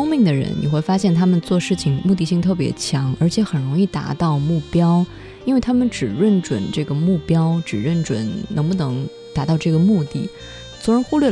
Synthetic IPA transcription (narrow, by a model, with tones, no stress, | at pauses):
mi˥˩ŋd̪ə˩ɻə̰˧˥nnḭ˨˩xwe˥˩ɪfa˥ɕjɛ˥˩nt̪ʰa˥mə˨nt͡swɔ˥˧ʂɻ̩˥˩t͡ɕʰi˨˩ŋmu˥˧t̪i˥˧ɕi˥˧ŋt̪ʰɤ˥˩p̬jɛ̰˧˥t͡ɕʰjɑ˧˥ŋə˞˧˥t͡ɕʰjɛ˧˥xə˨˩nɻʊ˧˥ŋi˥˩t̪a̰˧˥t̪ɑ˥˧ʊmu˥˩pjɑ˥ʊ | i˥nwe˥˩ɪt̪ʰa˥mə˨nʈ͡ʂɻ̩˨˩ɻə˥˩nʈ͡ʂwə̰˨˩˦nʈ͡ʂɤ˥˩ɡə˩mu˥˩pjɑ˥ʊʈ͡ʂɻ̩˨˩ɻə˥˩nʈ͡ʂwə̰˧˩˥nnɤ˧˥ŋpu˥˩nɤ˧˥ŋ | t̪a˧˥t̪ɑ˥˧ʊʈ͡ʂɤ˥˩ɡə˩mu˥˧t̪i˥˩ | t͡sʰwɔ˧˥ɻə˧˥nxu˥lɥɛ˥˩